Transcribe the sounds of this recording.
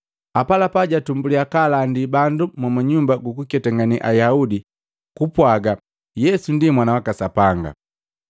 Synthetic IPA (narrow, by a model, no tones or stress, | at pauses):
apalapaɟatumbuliakalandibandumwamaɲumbaɡukukɛtaŋɡaniʔajaudi | kupwaɡa | jɛsundimwanawakasapaŋɡa̰